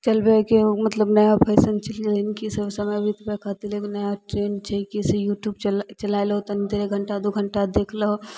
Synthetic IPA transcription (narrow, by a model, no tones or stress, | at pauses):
t͡ʃɐlbekimɐt̪ləbnɐjapʰɛːsənt͡ʃɐllnkisəbsɐməbʱit̪pɛkʰaːt̪ileːknɐjaʈɾeːnt͡ʃʰɛkiɪsejuːʈjuːbt͡ʃlt͡ʃɐlaːelɦot̪ɐnit̪eɾeɡʱəɳʈad̪oɡʱəɳʈad̪eːkʰləɦo